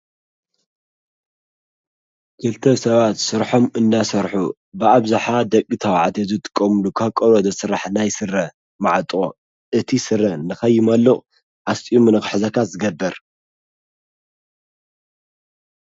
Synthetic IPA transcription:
kʰɨlt̪ʰɐsɐβat̪sɨɾħo̞mɨnːasɐɾħu | bɨaβzaħad̪ɐkʼːit̪ʰɐwaʕt̪ʰezut̪ʰɨ̥kʼːɐmɨlukʰakʼoɾod̪ɐsɨɾaħnajsɨrːɐ | maʕat̪ʼo | ʔɨt̪ʰisɨrːɐnɨxɐjːɪmɐlːɨʔʼ | ʕast̪ʼiumɨnɨkħɨzɐkʰazɨɡɐbːɐɾ

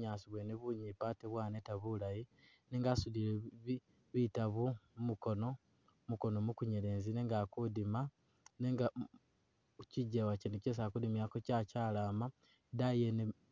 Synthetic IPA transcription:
ɲaːsiβweneβuɲipateβwaːnetaβulaji | neːŋɡaːsulile | βitaβumumuko̞no̞ | muko̞nomukuɲeɾeːnzineːŋɡakudima | neŋɡa | ciɟewaceneces̬akudimjakocacaːlaːma | dajene

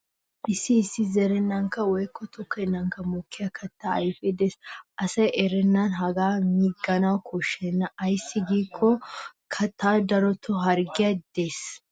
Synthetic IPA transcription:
ʔɪsːɪːsːɪzɛɾɛnːɐŋkɐwɔjkːɔt̪ʰɔkːɛnːɐŋkɐmukːɪjɐkʰɐt̪ːaɐ̰jfeːd̪esʔɐsɐjɛɾɛnːanɦɐɡaːmiɡɐnawkʰɔʃːɛnːɐʔɐjsːɪɡiːkʰːɔkʰɐt̪ʰːaːd̪ɐɾɔt̪ʰːɔɦɐɾɡɪjɐd̪̥eːs

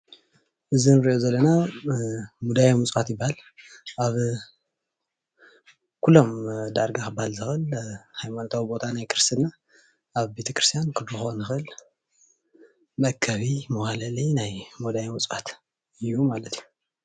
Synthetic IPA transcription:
ʔɨzinɨɾiʔozɐlːɐna | mud̪ajamɨt͡sʼwat̪jɪbːahalʔaβ | kʰulːo̞md̪aɾɡakɨbːahalzɨxɨlhajmanot̪ʰawibo̞t̪ʰanajkʰɨɾɨst̪ʰɨnːa | ʔaβbe̞t̪ʰɐkɾɨst̪ʰjankʰɨlɾɨxonɨxɨl | mɐkʰːɐβimɐwalalinajmud̪ajmɨt͡sʼat̪ | ɨjːumalɐt̪ʰiju

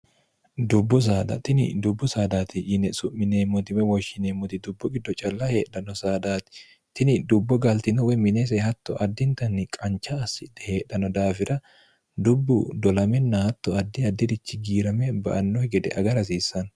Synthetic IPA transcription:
d̪ʊbːʊs̬aːd̪ɐ̰t̪ɪnɪ̰d̪ʊbːʊsaːd̪aːt̪ɪʔɪnɛsʊʔmːɪneːmːɔt̪ɪwɛwɔʃɪneːmːɔt̪ɪd̪ʊbːɔɡɪd̪ːɔt͡ʃʼɐlːahe̞ːᶑɐnɔsaːd̪aːt̪ɪ̥ | t̪ɪnɪd̪ʊbːɔɡɐlt̪ɪnɔwɛmɪneːs̬ɛhɐt̪ːɔʔɐd̪ːɪnt̪ɐnːɪkʼɐnt͡ʃːɐːsːɪd̪ɛhe̞ːɗɐnɔd̪aːfɪɾɐ | d̪ʊbːʊd̪ɔlɐmɛnːɐhɐt̪ːɔɐd̪ːɪɐd̪ːɪd̪ɪt͡ʃːɪɡiːɾɐmɛbɐ̰ʔɐnːɔhɡɛd̪ɛ̰ʔɐɡɐɾɐsiːsːɐn

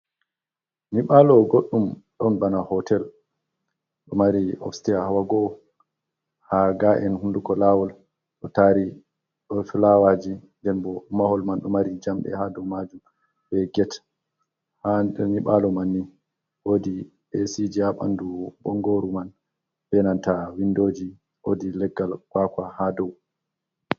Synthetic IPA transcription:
niɓalɔɡoɗːumɗɔnbanahɔtɛl | ɗɔmaɾiɔ̰fstiahawaɡɔ | haɡaʔɛnhundukɔlawɔl | ɗɔtaɾi | ɗɔfilawad͡ʒindɛnbɔmahɔlmanɗɔmaɾid͡ʒamɗɛ̰hadɔwmad͡ʒum | bɛɡɛt | hadɛniɓalɔmanːi | wodi | esid͡ʒiaɓa̰ndubɔŋɡoɾuman | b̥ɛnantawindod͡ʒi | odilɛɡːalɡ̥wakahadɔw

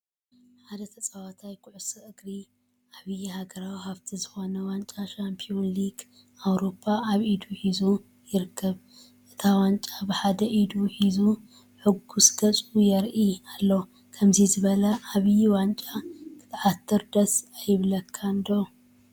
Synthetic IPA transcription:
ħad̪ɐt̪ʰɐt͡sʼawat̪ʰajkʰʊʕʊsɨʔɨɡɾi | ʔaβɨjihaɡɐɾawihaβt̪ʰizɨxo̞nɐwant͡ʃʼaʃampʰionliɡ | awɾo̞pʰːaaβid̪uħizu | jɪɾɨkʰːɐβ | ʔɨt̪ʰawant͡ʃʼabɨħad̪ɐʔid̪uħizu | ħɨɡusɡ̥ɐt͡sʼujɛɾʔialːɐw | kʰɐmzizɨβɐlɐʔaβjiwant͡ʃʼakʰɨ̥t̪ʰʕat̪ʰːɨɾd̪ɐsajɪβlɐkʰːand̪o

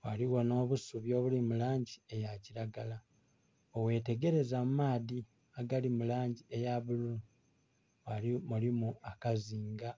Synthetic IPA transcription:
waliwo̞no̞ːβusuβjo̞ːβulimulaːɲɟie̞jaciɾaɡala | owe̞ːte̞ɡe̞ɾe̞zammaːði | aɡalimulaːɲɟie̞jaβulu | walimulimuakaziːŋɡa

